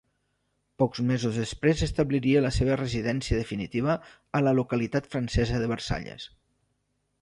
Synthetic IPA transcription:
pɔkzmezuzðəspɾezəst̪əβliɾiələseβ̞ərəziðɛnsiəðəfinit̪iβ̞əː | ləlukəlit̪at̪fɾənsɛzəðəβəɾsa̰ʎə̰s

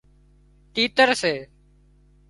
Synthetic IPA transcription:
ʈiːt̪əɾseː

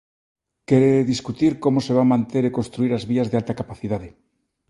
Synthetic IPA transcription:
keɾeðiskut̪iɾko̞moseβ̞amãnt̪e̞ɾeko̞nst̪ɾuiɾazβiazðealt̪akapaθiðaðe

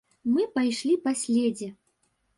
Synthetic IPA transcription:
mɨpajʂlʲipasʲlʲɛd͡zʲɛ

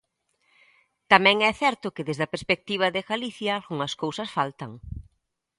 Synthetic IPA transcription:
t̪amɛ̃ŋɛθɛɾt̪ʊkɪðezðɐpeɾspek̚t̪iβ̞ɐðɪɣaliθjɐːlɣuŋɐskowsɐsfalt̪ɐŋ

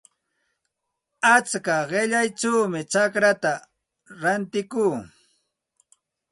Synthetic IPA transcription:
at͡skaɢɪʎajt͡ʃawmɪt͡ʃakɾat̪a | ɾant̪ɪkuː

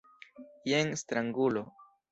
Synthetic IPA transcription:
jeŋst̪ɾaŋɡulo

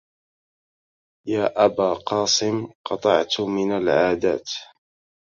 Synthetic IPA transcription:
jaːʔabaːqɑːsɪmqɑt̪ˤɑʕt̪mɪnalʕaːd̪a̰ːt̪

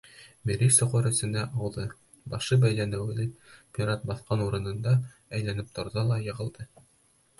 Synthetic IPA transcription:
miɾʲisŏqɤɾɵ̆sɘ̆næʔɑwlðɤ | bɑʃɤbæjlænɘ̆wlɘpʲiɾat̪̚bɑθqɑnuɾɤ̆nɤ̆nd̪ɑ | æjlænɘp̚t̪ŏɾðɑlˠɑjɤ̆ʁɤ̆lˠd̪ɤ

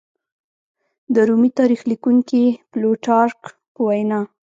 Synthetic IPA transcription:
d̪əɾumit̪ɑɾixlikuŋkiploʈɑɾk | pəwajnɑ

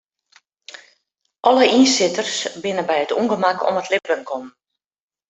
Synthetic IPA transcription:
ʔɔləʔinsɪtərsbɪnəbɛjətṵŋɡəmakɔ̰mətlɪpənkʰɔm

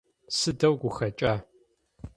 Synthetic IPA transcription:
sɨdɐwɡʷʊxɐt͡ʃʼaː

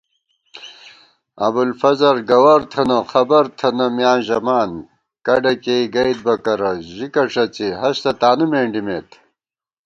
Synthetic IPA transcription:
ɐ̰bulfɐzɐɾɡɐwɐɾt̪ʰɐnɐxɐbɐɾt̪ʰɐnɐmjaːnʑɐmaːn | kɐɖɐkeiɡɐjd̪̚bɐkɐɾɐʑikɐʂɐt͡siɦɐɕt̪ɐt̪aːnumeːɳɖimeːt̪ʰ

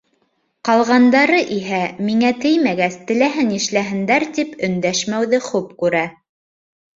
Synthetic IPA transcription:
qɑlˠʁɑnd̪ɑɾɤʔiɦæmiŋæt̪ɘjmæɡæst̪ɘ̆læɦɘniʃlæɦɘ̆nd̪æɾt̪ipɵ̆nd̪æʃmæwðɘχʉpkʉɾæ

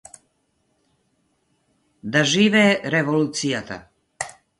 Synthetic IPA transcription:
d̪aʒiːvɛːɾɛvoluːt̪sijat̪a̰

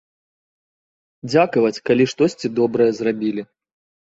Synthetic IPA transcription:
d͡zʲakɐvɐt͡sʲkalʲiʂt̪ɔsʲt͡sʲid̪ɔbɾɐjɛzrabʲilʲi

